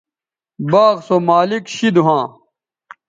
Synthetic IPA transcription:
baːɣsomaːlikɕid̪uɦãː

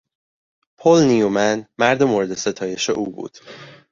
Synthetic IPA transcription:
pʰolnijumænmæɾd̪emoɾe̞d̪e̞se̞t̪ʰɒːje̞ʃeʔuːbṵːd̪̥

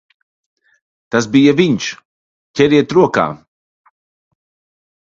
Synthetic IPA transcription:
t̪as̬bijavinʲʃ | cʲɛɾiɛt̪ɾuɔka̰ː

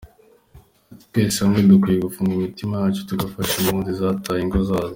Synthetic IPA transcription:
tu̥keːsaŋɡedukwijeɡufuːŋɡimitimajaːt͡ʃotuɡafaʃimuːnzizaːtʰaːjiŋɡozaːzo

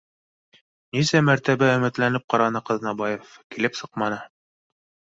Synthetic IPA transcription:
nisæmæɾt̪æβæɵ̆mɘ̆t̪lænɘp̚qɑɾɑnɤqɤ̆ðnɑbɑjefkilɘpsɤqmɑnɤ

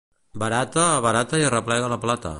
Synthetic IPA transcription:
bəɾat̪əːβəɾat̪əiərəplɛɣələplat̪ə̰

